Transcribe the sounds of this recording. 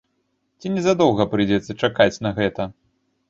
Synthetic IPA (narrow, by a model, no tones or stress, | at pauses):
t͡sʲinʲɛzad̪ɔwˠɣɐpɾɨjd͡zʲɛt̪sːɐt͡ʂakat͡sʲnɐɣɛt̪ɐ